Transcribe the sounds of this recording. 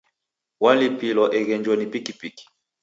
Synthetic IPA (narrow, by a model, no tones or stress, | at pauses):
walipilɔʔɛɣɛɲd͡ʒwɔnipikipiki̥